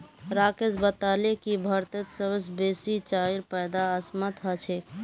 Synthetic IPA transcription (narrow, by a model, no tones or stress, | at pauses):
ɾakesbət̪alekibʱəɾt̪et̪səbəsbesit͡ʃaiɾpəjd̪aəsmət̪ɦət͡ʃʰɛ